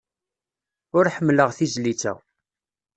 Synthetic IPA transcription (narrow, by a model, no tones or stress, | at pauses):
ʊɾħəmːləʁθizlit͡sːæ̰